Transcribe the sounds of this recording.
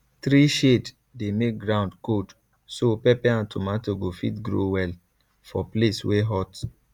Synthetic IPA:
tɾiʃed | demek̚ɡɾãʊ̃ndkod | sopɛpɛãntʰomatoɡofitɡɾo̰wɛl | fɔplesweɦɔt

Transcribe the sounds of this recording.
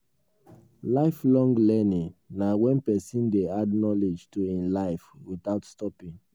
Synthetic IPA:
laɪflɔ̃ŋɡlɛnĩŋnawɛ̃npɛsĩndeadnɔled͡ʒtuĩnlaɪfwiθaʊtstɔpĩŋ

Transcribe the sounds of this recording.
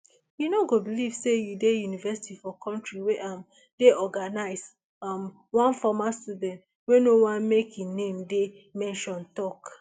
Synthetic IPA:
junoɡobiliv̥sejudejunivɛsi̥tifɔkʰɔ̃ntɹiweʔam | deʔɔɡanaɪz | am | wãnfɔmastudɛ̃nt | wenowãnmekʰjinẽmde | mɛ̃nʃɔ̃ntɔk

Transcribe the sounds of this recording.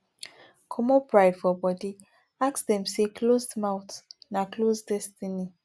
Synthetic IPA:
kʰɔmɔpɹaɪd̥fɔbɔdi | aksdɛ̃msekʰlozdmaʊtnaklozdɛstini

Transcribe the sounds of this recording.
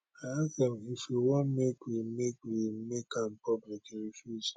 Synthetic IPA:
aasdɛ̃mifjuwɔ̃nmekwimekwimekãmpɔblikɹifjuz

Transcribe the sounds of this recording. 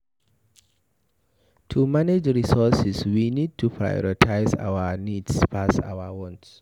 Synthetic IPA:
tʰumaned͡ʒɹisɔsɛswinid̚tʰupʰɹa̰jɔ̰ɹitʰaɪza̰wənidspʰasa̰wəwɔ̃nts

